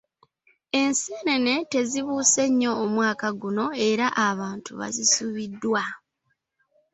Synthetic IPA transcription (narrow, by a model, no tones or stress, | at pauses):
e̞nseːne̞ne̞te̞ziβuːse̞ɲːo̞ːmwaːkaɡuno̞e̞ɾaʔaβaːntuβa̰zisuβidːwa